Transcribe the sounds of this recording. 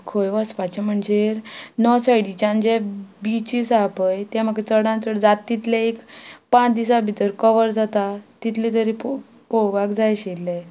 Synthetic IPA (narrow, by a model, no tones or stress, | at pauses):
kʰojʋəspat͡ɕem̤əɳd͡ʑeɾnɔsajɽit͡ɕãnd͡ʑɛbit͡ɕisapəjt̪ɛ̃m̤əkɛt͡səɽãnt͡səɽd͡zat̪ːit̪lɛekpãt͡sd̪isabʱit̪əɾkəʋəɾd͡zat̪at̪it̪lit̪əɾip | poɽʋakd͡zajɕelːe